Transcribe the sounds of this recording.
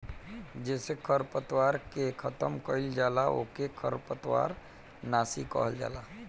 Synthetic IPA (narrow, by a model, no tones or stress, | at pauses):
d͡ʒɛːsekʰəɾpət̪waɾkekʰət̪əmkəɪld͡ʒalao̰kekʰəɾpət̪wa̰ɾ | nasikə̰ɦəld͡ʒa̰la